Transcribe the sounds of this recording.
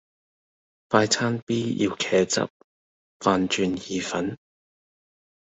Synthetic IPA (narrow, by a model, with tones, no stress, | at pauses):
faː˧jt͡sʰaː˥npiː˥jḭ˧wkʰɛː˨˧t͡sɐ̰˥p̚ | faː˧nt͡ʃyː˧njiː˨˧fɐ˨˥n